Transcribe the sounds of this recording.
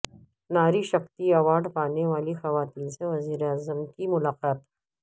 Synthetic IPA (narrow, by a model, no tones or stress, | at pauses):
naːɾiʃɐxt̪iɐʋaːɖpaːneʋaːlixɐʋaːt̪iːnseʋɐziːɾeaːzəmkimʊlaːqaːt̪